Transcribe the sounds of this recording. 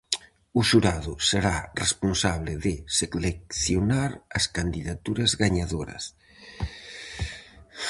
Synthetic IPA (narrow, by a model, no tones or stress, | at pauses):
ʊʃuɾaðʊseɾaresponsaβlɪðɪselek̚θjonaɾɐskand̪iðat̪uɾɐzɣaɲaðoɾɐ̰s